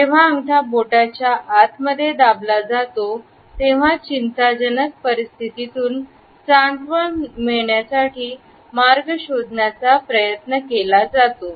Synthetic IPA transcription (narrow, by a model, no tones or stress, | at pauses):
d͡ʑeʋ̤aːŋt̪ʰaboʈat͡ɕjaʔːt̪məd̪ʱːjed̪ablad͡zat̪o | t̪eʋ̤at͡ɕint̪ad͡ʑənək̚pəɾist̪ʰit̪it̪uːn | t͡saɳɖʋəɭmiɭɳjasaʈʰiː | maɾɡəɕod̪nat͡sapɾəjət̪nəkelad͡zat̪o